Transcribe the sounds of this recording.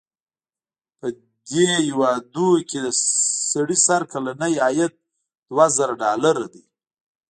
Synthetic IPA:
pə | d̪ejiwɑd̪uked̪əsaɽisaɾkalanəjɑjat̪̚ | d̪̥wazaɾaɖɑlaɾad̪ij

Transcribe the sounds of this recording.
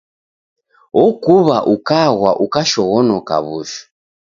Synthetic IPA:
ɔkuβaʔukaɣwaʔukaʃɔɣɔnɔka̰βṵʃɔ̥

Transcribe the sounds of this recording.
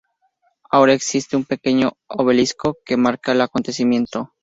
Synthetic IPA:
aoɾae̞ksist̪e̞umpe̞ke̞ɲo̞ | oβe̞lisko̞ke̞maɾkaelako̞nt̪e̞simjẽ̞nt̪o̞

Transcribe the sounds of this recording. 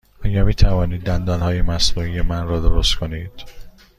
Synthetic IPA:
ɒːjæmiːt̪ʰævɒːniːd̪ːænd̪ɒːlhɒːjemæsnuːijemænrɒːd̪oɾost̪kʰoniːd̪̥

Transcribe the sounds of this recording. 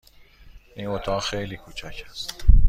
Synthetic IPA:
inot̪ʰɒːɣxejliːkʰuːt͡ʃʰæːcʰæst̪

